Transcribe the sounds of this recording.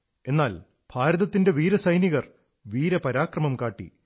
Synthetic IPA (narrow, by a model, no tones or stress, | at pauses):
e̞nːaːl | b̥ʱaːɾɐðɐt̪ːinde̞ʋiːɾɐsɐjniɣɐr | ʋiːɾɐpɐɾaːkrɐmɐmkaːʈːḭ